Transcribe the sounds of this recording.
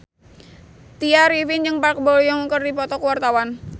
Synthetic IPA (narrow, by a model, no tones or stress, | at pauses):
t̪iaɾivind͡ʒɨŋpark̚bɔljɔŋkərdipɔt̪ɔkwart̪awan